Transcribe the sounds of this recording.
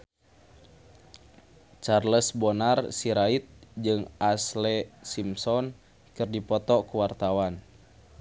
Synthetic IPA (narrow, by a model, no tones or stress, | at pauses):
t͡ʃarləsbɔnarsiɾait̪̚d͡ʒɨŋʔaslɛsimsɔn | kɨrdipɔt̪ɔkuwart̪awan